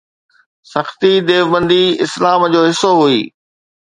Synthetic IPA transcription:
sɐxt̪id̪eːʋbə̃nd̪iɪslaːmd͡ʑoːɦɪsːoɦuiː

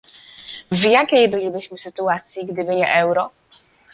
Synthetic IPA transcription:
vjakʲejbɘlʲibɘɕmɘsɘt̪uat̪sʲjiɡd̪ɘbɘɲɛ̰ʔɛwɾɔ

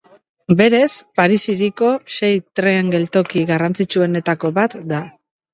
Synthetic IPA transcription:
be̞ɾe̞spaɾisiɾiko̞se̞jt̪ɾeŋɡe̞lt̪o̞kiɣarant͡sit͡ʃue̞ne̞t̪ako̞βat̪d̪a

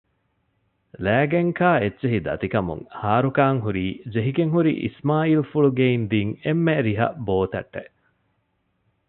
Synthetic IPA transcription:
læːɡeŋkʰaːetːt͡ʃeɦid̪ɐ̰t̪ikɐmṵŋhaːɾukaːŋɦuɾiːd͡ʒeɦiɡeŋɦuɾḭʔḭsmaːilfuɭuɡeind̪iːŋemːeɾiɦɐ̰ʔboːt̪ɐ̰ʈːḛʔ

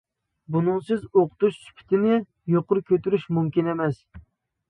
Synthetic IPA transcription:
bunɨŋsɨzoqʰʊ̥t̪uʃsy̥pʰɪ̥t̪ʰɪnɪ | joqʊɾkʲʰøt̪yɾyʃmumkʲinɛmɛs

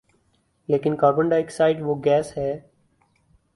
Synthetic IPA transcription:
leːkɪnkaːɡəɳɖaːeːksaːɪʈʋoːɡɛːsɦɛː

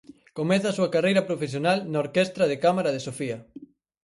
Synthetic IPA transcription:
komɛθɐasuɐkarejɾɐpɾofesjonalnaoɾkest̪ɾɐðekamaɾɐðesofiɐ

